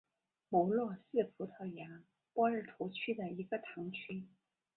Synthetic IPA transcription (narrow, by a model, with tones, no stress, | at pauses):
mɔ˧˥lwɔ˥˧sɹ̩˥˩fʰu˧˥t̪ʰɑ˥˩ʊja˧˥ | pwɔ˥ɻ̩˥˩t̪ʰu˧˥t͡ɕʰy˥d̪ə˨i˧˥ɡə˧t̪ʰɑ˧˥ŋt͡ɕʰy˥